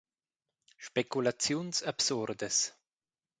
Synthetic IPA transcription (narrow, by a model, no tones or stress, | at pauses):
ʃpekulat͡sjunsabsuɾd̪es